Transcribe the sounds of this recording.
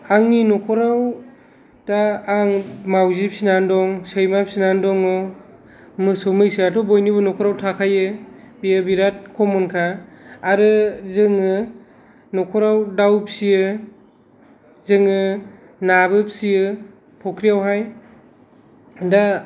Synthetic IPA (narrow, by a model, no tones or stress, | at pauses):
aŋninɔkʰɔɾaw | taːŋmawzip̚sinandɔŋsɯjmapsinandɔŋɯ | mɯsɔmɯjsiatʰɔbɔjniβɯnɔkʰɔɾawtʰakʰajɯ | bijɯbiɾat̚kʰɔmɔnkʰaːɾɯzɯŋɯ | nɔkʰɔɾawdawpsijɯ | zɯŋɯ | naβɯpsiɯ | pʰɔkʰɾijawɦaj | da